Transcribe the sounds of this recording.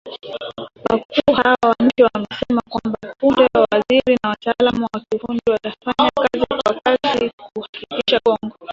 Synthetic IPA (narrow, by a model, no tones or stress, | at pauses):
wakuːhawawaɲ̩t͡ʃiwamɛsɛmakwambapundɛwawaziɾinawataalamuwakihundiwatafaɲakazikwakazikuhakikiʃaɡɔŋɡɔ